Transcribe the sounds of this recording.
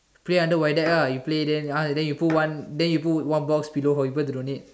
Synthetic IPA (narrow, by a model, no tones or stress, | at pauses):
pleãndəwajdɛʔajupledɛ̃nãdɛ̃njuputwãndɛ̃njuput̚wãnbɔksbiloɦawibətdõnit̚